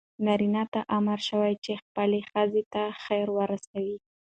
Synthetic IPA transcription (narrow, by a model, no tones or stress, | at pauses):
naɾinat̪aʔamaɾʃəwajt͡ʃexpəlexəzet̪axajɾwəɾasawi